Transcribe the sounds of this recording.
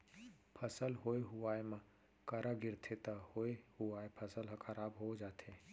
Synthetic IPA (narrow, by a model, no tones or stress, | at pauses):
pʰəsəlɦoːeɦʊaːemã | kəɾʔaɡɪɾt̪ʰet̪ɐhoːehuaːepʰəsəlɦəkʰəɾaːbɦod͡ʒaːt̪ʰe